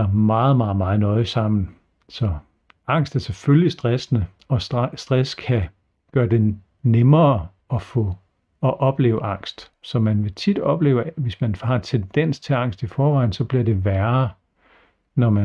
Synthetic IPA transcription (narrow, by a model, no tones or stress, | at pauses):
mɑ̈ːð̞̩ˠmɑ̈ːð̩ˠmɑ̈ːð̩ˠnɒ̽ɪsɑ̈m̰n̩ | sɒ̽ | ɑ̈ŋ̰sd̥æɐseføljisd̥ʁasnə | ɒ̽sd̥ʁaskʰæ | ɡ̥ɶːɐd̥e̝ | nemɐː | ɒ̽fɔ̽ː | ʔɒ̽b̥le̝ːʊəʔɑ̈ŋ̰sd̥ | sɒ̽mænʋe̝t͡sʰid̥ɒ̽b̥le̝̰ːʊʋe̝smænhɑ̈nt͡sʰend̥en̰st͡sʰe̝ɑ̈ŋ̰sd̥ifɒːʋɑ̈ɪ̰n̩sɒ̽b̥liɐd̥e̝ʋæɐ | nɒmæ